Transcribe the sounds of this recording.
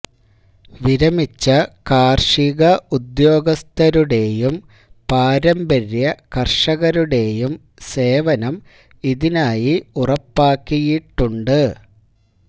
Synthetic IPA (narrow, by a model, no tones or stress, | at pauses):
ʋiɾɐmit͡ɕːɐkaːrʂiɣɐud̪jo̞ːɡɐst̪ɐɾuɽe̞jum | paːɾɐmbɐɾjɐkɐrʂɐɣɐɾuɽe̞jum | se̞ːʋɐnɐm | iðinaːjiurɐpːaːkːijiʈːuɳɖɨ